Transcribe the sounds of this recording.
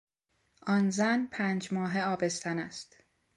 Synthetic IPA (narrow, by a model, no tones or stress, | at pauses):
ʔɒnzænpʰæːnd͡ʒmɒːɦeɒːbest̪ænæst̪